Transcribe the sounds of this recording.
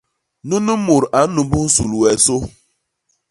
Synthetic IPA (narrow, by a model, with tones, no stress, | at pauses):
nu˦nu˦mʊ˨ɾʔa˨˦nu˨bu˦n̩˦su˨lu˨we˨so˦